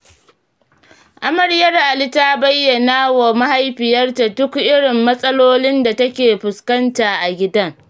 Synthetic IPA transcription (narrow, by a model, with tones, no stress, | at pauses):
ʔa˦mɐ˨rjɐ˦rʔa˨lɪ˦taː˦bɐ˦jːɐ˨naː˦wa˨ma˦ha˦jɸɪ˨jɐ˦rta˨dʊ˦kʔɪ˦ɽɪ˨mːɐ˦sʼɐ˦loː˦lɪ˦nda˨tɐ˦kʲeː˨ɸʊ˨skɐ˦ntaː˨ʔa˨ɡʲɪ˦dɐ˦ŋ